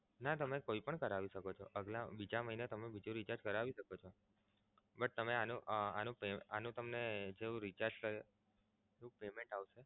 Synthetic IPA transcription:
nat̪əmekoipəɳkəɾaʋiʃəkot͡ʃʰoʔəɡlabid͡ʒaməɦinet̪əmebid͡ʒũɾit͡ʃaɾd͡ʒkəɾaʋiʃəkot͡ʃʰo | bəʈ̚t̪əmeanũʔanũpeanũt̪əmned͡ʒeũɾit͡ʃaɾd͡ʒkəɾe | eũpemẽɳʈaʋʃe

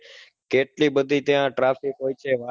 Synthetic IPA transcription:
keʈliːbəd̪ʱiːt̪jãːʈɾaːfikɦoːjt͡ʃʰeːʋa

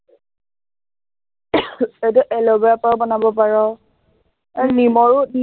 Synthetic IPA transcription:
etʊʔɛlɔbɛapawbɔnabɔp̬aɹɔ | animɔɹʊni

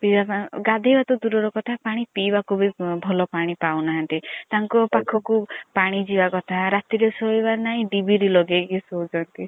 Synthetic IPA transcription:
pibapɡad̪ʱebat̪ɔd̪uɾɔɾɔkɔt̪ʰapaɽ̃ipibakʰubibʱɔlɔpaɽ̃ipawnaɦãnt̪it̪aŋkɔpakʰːɔkupaɽ̃id͡ʒibakɔt̪ʰaɾat̪iɾesoebanaɦĩɖibiɾilɔɡekisowd͡ʒɔnt̪i

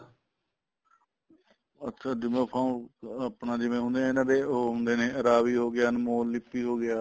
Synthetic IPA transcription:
ətʰːʃʰaːd͡ʒɪmẽːpʰãːũəpnaːd͡ʒɪʋẽːɦʊ̃nd̪eːẽːnãːdeːoɦʊ̃nd̪eːnẽːəɾaːʋiːɦoːɡɪjaːɦənmoːɪpːiːɦoːɡɪjaː

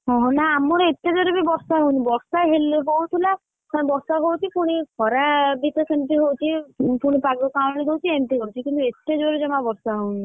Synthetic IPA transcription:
ɦɔ̃ɦɔ̃naːmɔɾeet̪ːed͡ʒɔɾebibɔɾsaɦownibɔɾsaɦeleɦowt̪ʰila | abɔɾsaɦowt͡ʃʰipuɽ̃ikʰɔɾabit̪ɔkʰenʈ̪iɦowt͡ʃʰipuɽ̃ipaɡɔkawɽ̃iɡowt͡ʃʰienʈ̪ikɔɾut͡ʃʰikint̪uet̪ːed͡ʒoɾed͡ʒɔmabɔɾsaɦowni

